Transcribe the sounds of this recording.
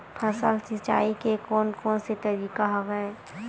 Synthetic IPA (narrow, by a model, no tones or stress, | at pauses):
pʰəsəlsɪt͡ʃa̰ːikekɔːnkɔːnset̪ɐɾiːkaɦɔɡəe